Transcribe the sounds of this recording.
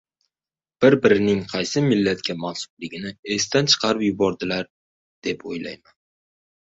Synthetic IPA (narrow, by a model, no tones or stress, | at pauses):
b̥ɪɾbɪɾɪnɪŋqʰɑjsɪmɪlːat̪kʲʰamansʊ̥blɪɡʲɪnɪe̞st̪ant͡ʃʰɨ̥qʰɑɾɪpjʊbɒɾd̪ɪlaɾ | d̪̥e̞pʰo̰jla̰jman